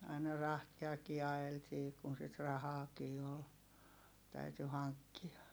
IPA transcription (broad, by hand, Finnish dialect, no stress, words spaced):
ɑinɑ rɑhtiɑkiː ɑj̆eltiː kun sit rɑhɑːkiː ol tæyty hɑŋkːiɑ